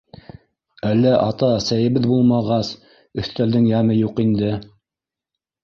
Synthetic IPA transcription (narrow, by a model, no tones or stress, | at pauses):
ælːæʔɑt̪ɑsæjɘ̆βɘðbulˠmɑʁɑs | ɵ̆θt̪æld̪ɘŋjæmɘjuqind̪ɘ